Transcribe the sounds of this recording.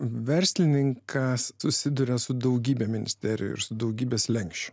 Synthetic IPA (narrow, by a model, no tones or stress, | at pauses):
ʋʲɛɾʲsʲlʲɪnʲɪŋkʰɐssʊsʲɪd̪ʊɾʲɛsʊd̪ɐʊɡʲiːbʲeːmʲɪnʲɪ̰sʲt̪ʲɛɾʲɪ̰jɛ̰ɪ̰ɾsʊd̪ɐʊɡʲiːbʲeːslʲɛŋʲkʃʲt͡ʃʲʊ̥